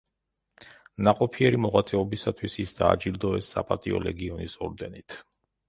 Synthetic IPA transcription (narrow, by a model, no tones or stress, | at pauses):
naqʼɔpʰiɛɾimɔʁwat̪sʼɛɔbisat̪ʰwisisd̪a̰ːd͡ʒild̪ɔɛsːa̰pʼat̪ʼiɔ̰lɛɡiɔnisɔɾd̪ɛnit̪ʰ